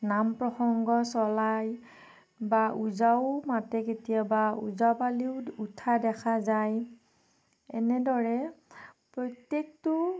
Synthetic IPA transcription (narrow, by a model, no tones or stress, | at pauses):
nampɹɔxɔŋɡɔsɔlaj | baʔuzaʊmatɛketijabauzawpaliʊutʰadɛkʰazaj | ɛ̰nɛdɔɹɛpɹɔjtek̚tʊ